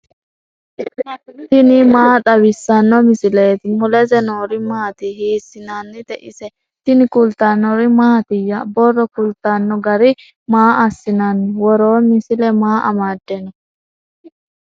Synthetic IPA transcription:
t̪ɪnɪmaːt̪ʼɐbɪsːɐnːɔmɪsɪleːt̪ɪmɔlɛzɛnoːɾɪmaːt̪ɪhiːsːɪnanːɪt̪ɛʔɪsɛ | t̪ɪnɪkʊlt̪anːɔɾɪmaːt̪ɪjːabɔrːɔkʊlt̪ːanːɔɡɐɾɪ | maːɐsːɪnanːɪwɔɾoːmɪsɪlɛmaːʔɐmaːd̪ːɛnɔ

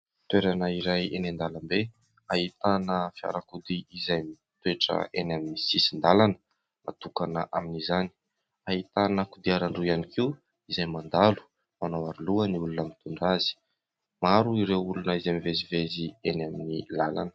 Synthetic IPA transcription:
t̪weɾanəiɾajenend̪alambe | aɦit̪anəfia̰ɾakud̪iizajmi | t̪ueʈ͡ʂə̰enaminisisind̪alanə̥ | ma̰t̪ukanəʔaminizani̥ | aɦit̪anəkud̪iaɾaɳɖ͡ʐuianikiw | izajmand̪alu̥ | manowaɾuluəniulunamit̪uɳɖ͡ʐazi̥ | maɾuiɾewulunəizamivezivezienaminilala̰nə̥

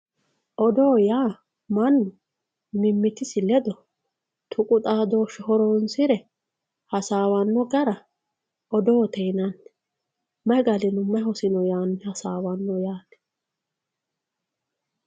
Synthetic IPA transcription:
ʔɔd̪oːjaː | mɐnːʊ | mɪmːɪt̪ɪsɪlɛd̪ɔ | t̪ʰʊkʼʊt̪ʼaːd̪oːʃɔhɔɾɔnsɪɾɛ | hɐsaːwɐnːɔɡɐɾɐ | ʔɔd̪oːt̪ɛjnɐnː | mɐɡɐlɛnʊmːɐɦɔsɪnɔjaːnːɪhɐsaːwɐnːɔjaːt̪ɛ̥

